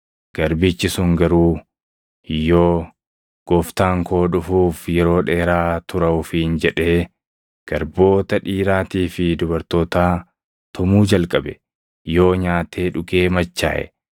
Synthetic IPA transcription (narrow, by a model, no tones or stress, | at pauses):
ɡ̥ɐɾbɪt͡ʃːɪsʊŋɡɐɾuː | jːo̞ː | ɡ̥ɔft̪aːŋkʰo̞ːᶑʊfuːfjɛɾo̞ːᶑeːɾaːt̪ʊɾɐʊfind͡ʒɛᶑe̞ː | ɡ̥ɐɾbo̞ːt̪ɐᶑiːɾaːt̪iːfɪd̪ʊbɐɾt̪o̞ːt̪aː | t̪ʊmuːd͡ʒɐlkʼɐbɛ | jo̞ːɲaːt̪e̞ːᶑʊɡe̞ːmɐt͡ʃːa̰ːʔɛ̰